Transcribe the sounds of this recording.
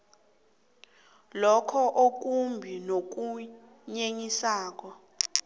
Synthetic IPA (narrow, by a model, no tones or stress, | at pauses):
lɔkʰɔʔok̬ʼumbʱinok̬u | ɲeɲisaːk̬ɔ